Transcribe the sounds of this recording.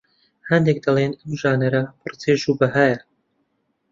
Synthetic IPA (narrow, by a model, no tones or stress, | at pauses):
hɐnd̪ek̚d̪ɐlˠeːnɐmʒaːnɐɾɐpʰɨrt͡seːʃubɐɦaːjɐ